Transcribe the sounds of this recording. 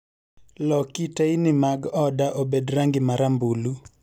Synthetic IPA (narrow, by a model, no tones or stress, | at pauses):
lɔkitainɪmaɡɔdaʔobedɾaŋɡɪmaɾambulu